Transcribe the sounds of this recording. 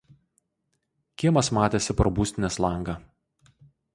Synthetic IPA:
kʲiɛmɐsmɑːt̪ʲeːsʲɪpɾɔbuːsʲt̪ʲɪnʲɛslˠɑˑŋɡɐ

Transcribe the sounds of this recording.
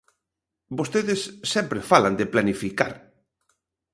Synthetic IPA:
bost̪eðɪsːɛmpɾefaland̪ɪplanifika̰ɾ

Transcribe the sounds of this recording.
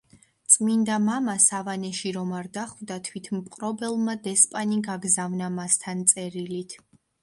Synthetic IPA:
t̪sʼmind̪amamasavanɛʃiɾɔmaɾd̪aχvd̪at̪ʰwit̪ʰmpqʼɾɔbɛlˠmad̪ɛspʼaniɡaɡzavnamast̪ʰant̪sʼɛɾilit̪ʰ

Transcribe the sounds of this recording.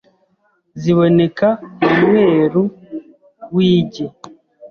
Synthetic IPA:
ziβo̞ne̞kamumŋe̞ːɾu | wiːɟe

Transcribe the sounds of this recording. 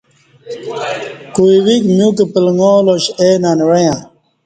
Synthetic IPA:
kuiwikmjũkepilŋoːloɕeːnanɾɐjã

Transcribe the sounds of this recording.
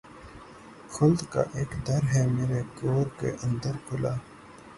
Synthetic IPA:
kʰʊld̪ka̰ʔeːkd̪ɐɾɦɛːmeːɾekoːɾkḛʔɐ̃nd̪əɾkʰʊlaː

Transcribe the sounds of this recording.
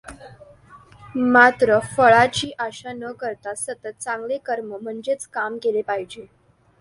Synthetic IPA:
mat̪ɾəfəɭat͡ɕiːʔaɕanəkəɾt̪asət̪ət̪̚t͡sãŋɡlekəɾməm̤əɳd͡ʑet͡skamkelepaɦid͡ʑe

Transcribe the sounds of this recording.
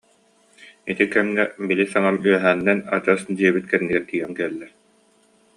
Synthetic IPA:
it̪ikɛmnɛbilisaŋamyœɦæːnːɛnad͡ʑasd̪iɛbit̪̚kɛnniɡɛɾt̪iːɡɛŋkɛlːɛ

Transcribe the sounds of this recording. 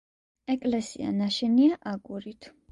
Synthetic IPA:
ɛkʼlɛsḭa̰naʃɛniaʔaɡuɾit̪ʰ

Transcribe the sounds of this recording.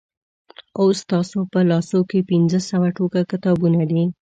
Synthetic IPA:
ost̪ɑsopəlɑsokepɪnzəsəwaʈokakɪt̪ɑbunad̪i

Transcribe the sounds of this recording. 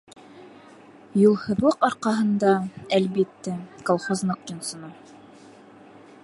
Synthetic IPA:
julˠhɤ̆ðlˠɤqɑɾqɑɦɤ̆nd̪ɑælbit̪ːækolˠχozlˠɤqjŏnsŏno

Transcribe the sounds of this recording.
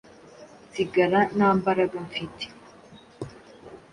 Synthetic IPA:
t͡siɡaɾanaːmbaɾaɡamfit̪ʰi̥

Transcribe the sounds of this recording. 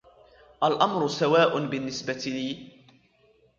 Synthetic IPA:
ʔalʔamɾʊsawaːʔʊbɪnːɪsbat̪liː

